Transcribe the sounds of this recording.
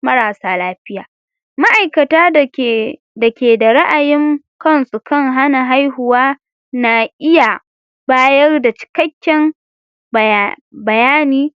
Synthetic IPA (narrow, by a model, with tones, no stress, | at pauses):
mɐ˦ɾaː˨saː˦laː˦ɸɪ˦jaː˨ | ma˦ʔa˨jkɐ˨taː˦˨ | dɐ˨kʲeː˨da˨ɾɐ˦ʔa˨jɪ˦ŋ | kɐ˦nsu˨kɐ˦ŋɦa˦na˨ɦa˦jɦʊ˨waː˦ | na˨ʔɪ˦ja˨ | baː˦jɐ˦rda˨t͡ʃɪ̥˨kɐ˦kʲːɛ˦m | bɐ˨jaː˦niː˦